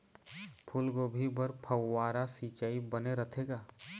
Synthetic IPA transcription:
pʰʊlɡobʱibəɾpʰəwːaːɾasiːt͡ʃaːibəneɾət̪ʰeːɡaː

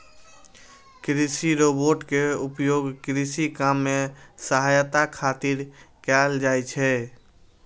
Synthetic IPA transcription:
kɾisiɾoːboːʈkeʊpjoːɡkɾisikamːẽsəɦajt̪akʰaːt̪iɾkɛld͡ʒaːet͡ʃʰɛ

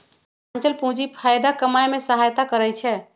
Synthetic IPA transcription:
ant͡ʃəlpũd͡ʒipʰajd̪akəmajmesəɦajt̪akəɾɛjt͡ʃʰɛ

